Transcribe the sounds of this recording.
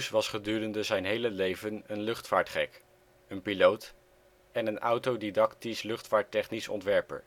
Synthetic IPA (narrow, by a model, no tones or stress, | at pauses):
sʋɑsχədyːrəndəzɛjnɦejləlejvənənlɵχtfaːɹtχɛk | ənpilowt | ɛnənʔɑwtowdidɑktislɵχtfaːɹtɛχnisɔ̰ntʋɛɹpə̰ɹ